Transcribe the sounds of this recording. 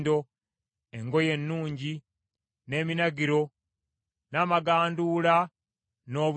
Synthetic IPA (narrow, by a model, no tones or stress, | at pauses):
do̞ | e̞ŋɡo̞je̞nːuːɲɟi | ne̞ːminaɡiɾo̞ | naːmaɡaːnduːla | no̞ːβu